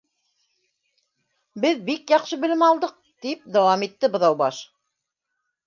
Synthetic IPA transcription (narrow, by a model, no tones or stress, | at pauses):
bɘðbikjɑqʃɤbɘ̆lɘmɑlˠd̪ɤq̚t̪ip̚d̪æwɑmit̪ːɘbɤ̆ðɑwbɑʃ